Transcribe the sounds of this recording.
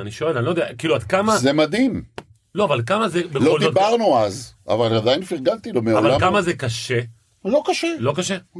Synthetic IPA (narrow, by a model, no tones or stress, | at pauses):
aniʃo̞e̞lanilod̪eakiːluad̪̚kamazemad̪im | lo̞avalkamazebelooldizot̪baʁnuaza̰valad̪ajinfiʁɡant̪ilomeavlvalakamazekaʃe | lokaʃelo̞kaʃe